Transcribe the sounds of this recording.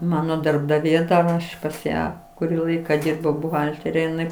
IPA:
ˈmɑːnoː dɐrbdɐˈʋʲeː ˈɐʃ pɐs ˈjæː kʊˈrʲiː ˈlˠɐɪkɐ ˈdʲiːrbɐʊ bʊˈɣɐlʲtʲɛrʲɛ ɪˈnɐɪ

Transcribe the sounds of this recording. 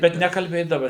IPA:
ˈbʲɛt nʲɛkɐlʲˈbʲeːdɐʋɐ

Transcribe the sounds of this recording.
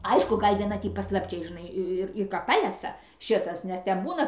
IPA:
ˈɐɪʃkʊ ˈɡɐlʲ ʋʲiɛˈnɐ ˈtʲiː pɐslˠɐpʲˈt͡ʃʲɛɪ ʒʲɪˈnɐɪ ɪr ɪr ˈkɐ ˈpɑːlʲɛsɐ ˈʃʲɪtɐs nʲɛs ˈtʲɛn ˈbuːnɐ

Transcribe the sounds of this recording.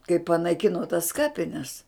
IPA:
kɐɪ pɐnɐɪˈkʲɪnoː tɐs ˈkɑːpʲɪnʲɛs

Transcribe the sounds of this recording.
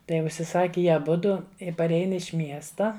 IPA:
ˈtɐɪ ʊʃʲsʲɪˈsɑːkʲɪ ˈjiɛ ɐˈbʊdʊ ɪ pɐˈrʲɛɪn ɪʃ ˈmʲiɛstɐ

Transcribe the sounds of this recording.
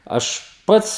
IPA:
ˈɐʃ ˈpɐts

